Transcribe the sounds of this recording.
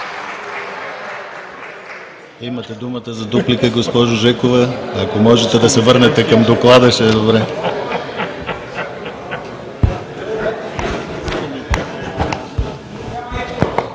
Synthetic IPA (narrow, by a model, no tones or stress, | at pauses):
imɐt̪ɛd̪umət̪əzɐd̪uplikəɡospɔʒʊʒɛkovɛɐkomɔʒɛt̪ɛd̪ɐsɛvɤɾnɛt̪ɛkɐmd̪oklˠad̪ɐʃɛd̪obɾɛ